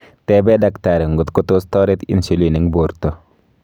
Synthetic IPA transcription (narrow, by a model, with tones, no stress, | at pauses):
tɛbɛ˦dakta˨ɾe˨ŋɡu˨t̪kut̪o˦stɔ˦ɾet̪ḭ˨nsilini˦ŋbo˨ɾt̪o˨